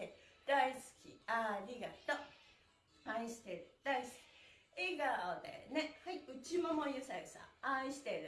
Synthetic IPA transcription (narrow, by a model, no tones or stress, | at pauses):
d̪̥aisɨ̥kʲḭaɾʲiɡat̪o | aiɕi̥t̪eɾɯd̪̥aisɨ̥kʲi̥ | iɡaod̪ḛnehaiɯt͡ɕimomojɯsasã̰aiɕi̥t̪eɾɯ